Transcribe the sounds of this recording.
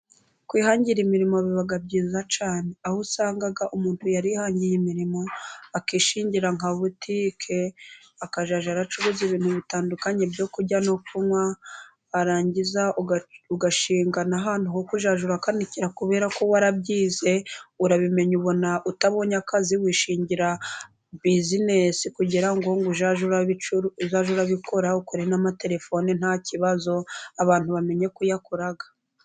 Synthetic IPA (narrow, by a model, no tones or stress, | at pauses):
kwiːhaːɲɟiɾimiɾimoβiβaɡabɟiːzat͡ʃaːne̞ahusaːŋɡaɡaʔumuːntujaɾihaːɲɟijimiɾimo̞akiʃiːɲɟiɾaŋaβutʰikʰe | akaʒaʒaɾat͡ʃuβoziβiːn̥huβitaːndukaɲe̞bɟo̞kuɟanofumwaː | ɾaːɲɟizauɡaʃiːŋɡanaɦaːn̥huhokuʒaʒuɾakaniciɾakuβe̞ːɾako̞waɾabɟiːze̞uɾaβime̞ɲuβo̞naʔutaβo̞ːɲakaziwiːʃiːɲɟiɾa | bizinesikuɟiɾaŋɡo̞ŋɡuʒaʒuɾaiuɾuzaʒuɾaβikʰo̞ɾaukoɾenamate̞ɾe̞fo̞nin̥haciβazo̞aβaːnthuβame̞ɲe̞kujakoɾaɡḁ